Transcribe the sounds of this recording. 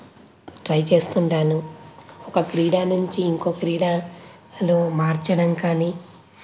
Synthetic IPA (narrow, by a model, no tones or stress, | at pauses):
ʈɾɐjt͡ʃe̞ːst̪uɳɖaːnuɔkɐkɾiːɽaːnuɲt͡ʃiːŋko̞ːkɾiːɽaː | lomaːɾt͡ʃɐɽɐmkaːniː